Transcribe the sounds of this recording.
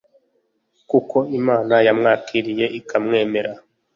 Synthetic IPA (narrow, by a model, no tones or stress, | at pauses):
kuko̞imaːnajamŋaːkʰiɾije̞ʔikʰamŋe̞ːme̞ɾa